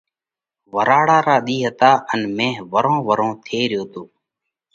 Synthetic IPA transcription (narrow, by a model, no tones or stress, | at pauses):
ʋəɾaːɽaːɾaːɗ̪iːɦət̪aːʔənmẽːɦʋəɾõːʋəɾõːt̪ʰeːɾɪjoːt̪oː